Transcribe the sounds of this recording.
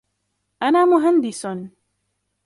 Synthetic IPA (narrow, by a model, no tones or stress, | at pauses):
ʔanaːmʊɦand̪ɪsʊn